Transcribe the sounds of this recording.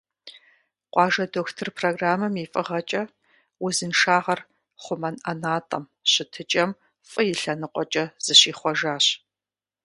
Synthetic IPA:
qʷɑːʒɐdoːxtʰɨrpʰroːɡraːmɐmifʼɨʁɐt͡ʃʼɐ | wʊzɨnʂaːʁɐr | χʷʊmɐnʔɐnaːtʼɐm | ɕɪtʰɨt͡ʃʼɐm | fʼɨjɪɬɐnɨqʷɔt͡ʃʼɐz̥ɨɕiːχʷɔʒaːɕ

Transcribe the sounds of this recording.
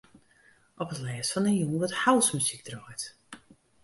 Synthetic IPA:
ʔɔpətlɛːsfɔnənjunʋɔthawˠsmysik̚drɔjt

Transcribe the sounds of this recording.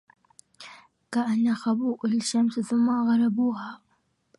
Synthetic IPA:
kaʔanːaxabuːʔalʃamsθʊmːaɣɑɾˤɑbuːha

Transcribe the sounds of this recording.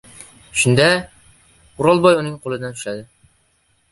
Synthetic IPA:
ʃʊnd̪a | ʊɾɒlˠbɒjʊnɪŋqʰolˠɨd̪ant̪ʰyʃlad̪ɪ

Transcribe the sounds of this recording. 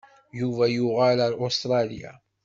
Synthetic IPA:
juvæjʊʁalaɾost̪ɾˤɑlija̰

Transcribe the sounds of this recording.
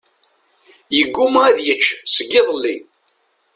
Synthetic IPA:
jəɡːumʁæðjət͡ʃːsəɡːɪðˤlːi

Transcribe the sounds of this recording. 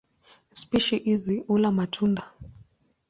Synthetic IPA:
spiʃiʔiziʔulamatʰunda

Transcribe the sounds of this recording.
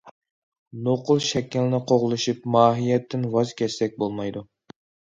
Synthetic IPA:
noqʊlˠʃɛkʲːɪlnɪqʰoʁlˠɨʃipmɑːɦijɛt̪ːɪnwɑzkʲʰɛsʲt̪ɛk̚ʲbolˠmɑjd̪u

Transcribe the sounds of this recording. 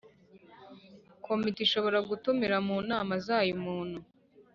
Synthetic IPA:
kʰomitiʃo̞βo̞ɾaɡutumiɾamuːnaːmazaːjumuːn̥hu

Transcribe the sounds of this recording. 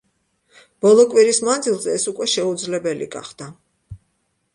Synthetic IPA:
b̥ɔlˠɔkʼwiɾismand̪zilˠzɛːsukʼwɛʃɛud̪zlɛbɛlḭɡa̰χd̪̥a

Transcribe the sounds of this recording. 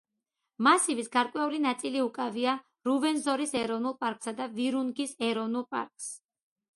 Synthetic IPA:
masivisɡaɾkʼwɛulinat̪sʼiliukʼavia | ɾuvɛnzɔɾisɛɾɔvnulˠpʼaɾkʼsad̪aviɾunɡisɛɾɔvnulˠpʼa̰ɾkʼs

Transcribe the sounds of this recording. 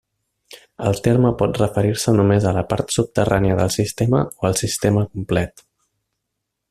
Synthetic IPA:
əlˠt̪eɾməpɔt̪rəfəɾiɾsənumezələpa̰ɾt̪sup̚t̪əraniəðəlˠsist̪emə̰oəlˠsist̪eməkumplɛt̪

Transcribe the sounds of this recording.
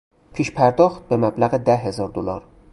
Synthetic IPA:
pʰeʃpʰæɾd̪ɒxt̪̚bemæblæɣɪd̪æɦe̞zɒɾd̪olɒɾ

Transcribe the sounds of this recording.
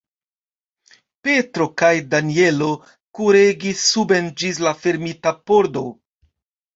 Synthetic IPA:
pe̞tɾo̞kajdanie̞lo̞ | kuɾeɡisːube̞nd͡ʒis̬lafe̞ɾmitapoɾdo̞

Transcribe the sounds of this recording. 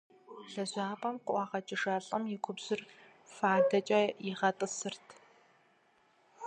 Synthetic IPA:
ɬɐʑʷaːpʼɐmqʷʊʔʷɑːʁɐt͡ʃʼɪʂaːɬʼɐmjɪkʷʰʊbz̥ɪr | faːdɐt͡ʃʼɐjɪʁɐtʼɨsɨrtʰ

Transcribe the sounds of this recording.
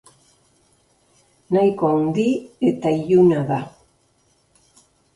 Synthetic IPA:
najkoand̪ie̞t̪aiʎunaða

